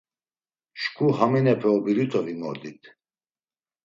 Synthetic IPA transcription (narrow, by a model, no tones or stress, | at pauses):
ʃkʰuhaminɛpʰɛɔbiɾit̪ʰɔvimɔɾd̪it̪ʰ